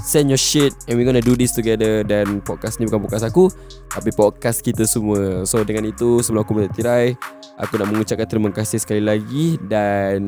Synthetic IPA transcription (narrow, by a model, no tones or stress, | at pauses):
sɛnjɔʃɪt̪̚ɛ̃nwiɡɔnaʔdudist̪uɡɛdədanpɔd̚kasnĩbukanpukas̬aku | t̪ap̬ipɔd̚kaskit̪əsumuəsodəŋãnit̪usəbəlãakumə̃t̪ət̪iɾaj | ʔa̰kunaʔmə̃ŋut͡ʃap̚kant̪əɾimakasɪhsə̥kalilaɡidan